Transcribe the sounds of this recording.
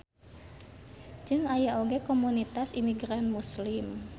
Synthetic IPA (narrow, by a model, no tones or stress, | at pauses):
d͡ʒɨŋajaʔoɡekomunit̪asimiɡɾanmuslɪm